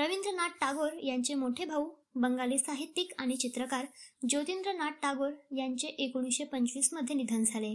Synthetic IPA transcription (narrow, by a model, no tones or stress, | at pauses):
ɾəʋind̪ɾənaʈʈaɡoɾjaɲt͡ɕemoʈʰebʱau | bəŋɡaliːsaɦit̪ːikaɽ̃it͡ɕit̪ɾəkaɾd͡ʑot̪ind̪ɾənaʈ̚ʈaɡoɾjaɲt͡ɕeʔekoɽ̃iɕepəɲt͡ɕʋiːsməd̪ʱːjenid̪ʱənd͡zʱale